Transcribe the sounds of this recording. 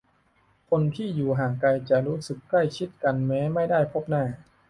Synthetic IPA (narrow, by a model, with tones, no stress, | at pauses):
kʰo˧nt̪ʰiː˥˩juː˨˩ɦaː˨˩kkːa˧jt͡ɕa˨˩ɾuː˦˥sɯ˨˩kːla˥˩jt͡ɕʰi˦˥t̪̚ka˧nmɛː˦˥ma˥˩jdaː˥˩jpʰo˦˥˩p̚naː˥˩